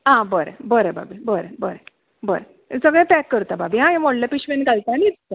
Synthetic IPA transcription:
ɦãbəɾḛbəɾeba̰bibəɾebəɾe | bəɾe | səɡɭɛ̃pɛkːəɾt̪ababiɦãɦẽmɔɽlapiɕʋenɡalt̪anit̪ut̪a

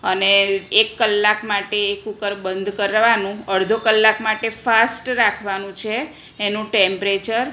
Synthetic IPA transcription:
əneekːəlːakmaʈeːkukəɾbənd̪ʱkəɾʋanũəɽd̪ʱokəlːakmaʈefasʈɾakʰʋanũt͡ʃʰeː | nũʈempɾet͡ʃəɾ

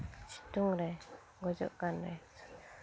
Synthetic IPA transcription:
t͡ʃi̥t̪uŋɾɛ | ɡɔd͡ʒɔ̰ʔkanɾɛ

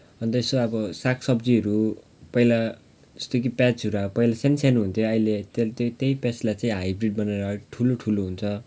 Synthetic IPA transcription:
ʌnt̪ʌesoʌbʌsakʰsʌbd͡ziʌɾu | pʌila | d͡zʌst̪okipat͡suɾapʌjlasensanuɦunt̪ʰjoʌjlet̪et̪t̪ejpat͡slajt͡saĩɦajbriɖ̚bʌneɾʌʈʰuloʈʰuloɦunt͡sʰʌ

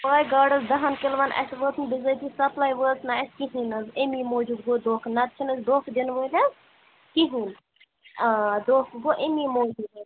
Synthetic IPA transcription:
plaːjɡaːɖɐzd̪ɐɦɐnkelʋɐnʔɐ̰sʋət̪ʰnbizət̪ʰisɐplaːjʋət̪ʰnaːskiɦinɐzemimoːd͡ʒuɡɡod̪oːkʰnɐt̪̚t͡ʃʰinɐsd̪oːkʰd̪enʋəd̪ʲɐz | kiɦin | d̪oːkʰɡoʔemimoːd͡ʒud̪

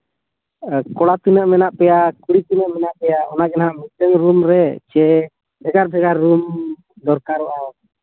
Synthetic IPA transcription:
kɔɽat̪inəʔmɛnaʔpɛjakuɽit̪inəʔmɛnaʔpɛjaʔɔnaɡɛnaɦamit̪əŋɾumɾɛt͡ʃɛ | bʱɛɡaɾbʱɛɡaɾːum | d̪ɔɾkaɾɔʔa

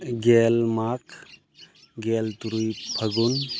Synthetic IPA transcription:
ɡɛlmakʰ | ɡɛlt̪uɾujpʰəɡun

